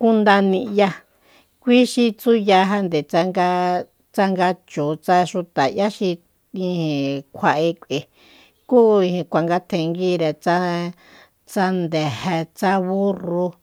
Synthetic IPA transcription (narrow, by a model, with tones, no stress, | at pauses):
ku˦nd̪a˧nĩ˧ja˧ | kʷi˦ʃi˧t͡su˦ja˧ɦa˧nd̪e˨t͡sa˧ŋɡa˧ | t͡sa˧ŋɡa˧t͡ʃo˨t͡sa˧ʃu˧t̪a˨ja˦ʃi˧ | ĩ˧hĩ˨kʷʰa˧ʔe˧kʷe˨ | ku˦ĩ˧ĩ˧kʷa˨ŋɡa˧t̪ʰẽ˧ŋɡi˦ɾe˨t͡sa˦ | t͡sa˧nd̪e˨he˧t͡sa˦βu˦ru˧